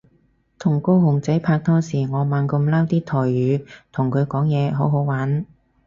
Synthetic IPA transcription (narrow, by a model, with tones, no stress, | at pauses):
t̪ʰʊ˨˩ŋko˥whʊ˨˩ŋt͡sɐ˨˥jpʰaː˧k̚t̪ʰɔː˥siː˨˩ŋɔː˨˧maː˨˧nkɐ˧mla˥wt̪iː˥t̪ʰɔː˨˩jɥyː˨˧t̪ʰʊ˨˩ŋkʰɵ˨˧ɥkɔː˨˥ŋjɛː˨˧ɦo˨˥wɦo˨˥wwaː˨˥n